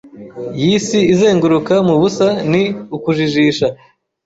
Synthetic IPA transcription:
jisiːze̞ːŋɡuɾukamuβusaniukuʒiʒiːʃa

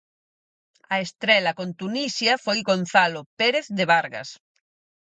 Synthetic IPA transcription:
ɐest̪ɾɛlɐkont̪unisjɐfojɣon̟θalopeɾeθðeβaɾɣa̰s

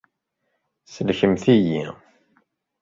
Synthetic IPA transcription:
səlçəmθijḭ

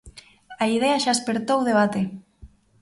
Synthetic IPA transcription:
aiðeaʃaespeɾt̪owðeβ̞at̪e

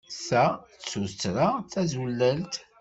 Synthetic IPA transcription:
θæt͡sːuɾt͡sːɾaθæzulːælt̪

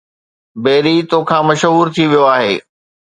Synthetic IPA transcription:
beːɾit̪oːkʰãːmɐʃɦuːɾt̪ʰiʋijoaːɦeː

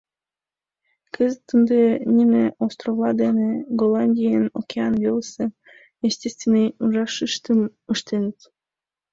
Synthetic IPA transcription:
kəzət̪ːənd̪enʲimʲeʔost̪rovlˠɑd̪eneɡolˠɑnʲdʲijəno̰kʲeɑnvʲelˠəsə | jesʲtʲest̪vʲenːɨjuʒɑʃɨʃt̪əməʃt̪enət̪

